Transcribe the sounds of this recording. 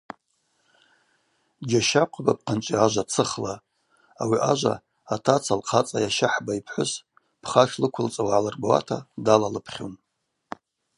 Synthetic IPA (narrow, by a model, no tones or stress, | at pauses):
d͡ʒʲaʃaqʷʰabap̚qʰant͡ʃʷʼiaʒʷat͡sʰɨχla | awiʔaʒʷa̰ | atʰat͡sʰalqʰat͡sʼajaʃaħbaipʰħʷʊs | pʰχaʃlɨkʷʰʊlt͡sʼawaʕalarbawa̰tʰadalalɨpʰχʲon